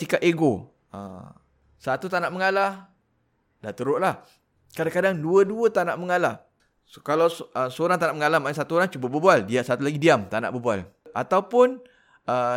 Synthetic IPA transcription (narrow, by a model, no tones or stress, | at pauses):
sikapeɡo | ə̰ | sat̪ut̪anaʔməŋala | daht̪əɾʊʔlah | kadaŋkadaŋduəduət̪anaʔməŋala | kalawəsoɾaŋt̪anaʔməŋalamansat̪uoɾaŋt͡ʃubabəbualdiaʔsat̪ulaɡidiamt̪ana̰ʔbəbua̰lat̪awpʊn | ə